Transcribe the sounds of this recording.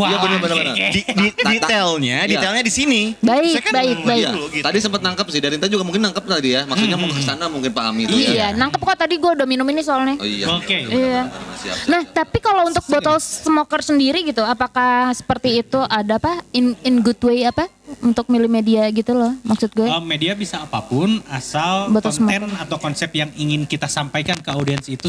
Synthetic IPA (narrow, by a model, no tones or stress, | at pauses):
jabənabanabanaididit̪elɲadielɲadisinibaɪbaɪk̚baɪt̪adisəmpət̪̚naŋkəp̚sɪhdaɾint̪ad͡ʒuɡamuŋkɪnːaŋkəp̚t̪adijamaksut̪̚ɲamuŋkkə̥sanamuŋkɪnpaa̰mit̪ujanaŋkəp̚kat̪adiɡuadaminuminis̬oalɲɛḭja̰okeia̰sia̰naht̪apikalount̪ʊk̚bot̪ɔlsəmokərsəndiɾiɡit̪uapakasə̥pərt̪iːt̪uʔadapaɪnɪnɡʊdwejapa | unt̪ʊk̚milɪmediaɡit̪ulɔhmaksʊt̪̚ɡuaəmːediabisaːpapʊnasalbɔt̪ɔsmɛnat̪awkɔnsɛp̚jaŋiŋɪnkit̪asampajkankəodiɛnsit̪u